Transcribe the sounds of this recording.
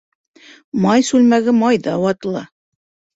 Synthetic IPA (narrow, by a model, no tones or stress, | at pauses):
mɑjsʉlmæɡɘmɑjðɑwɑt̪ɤ̆lˠɑ̰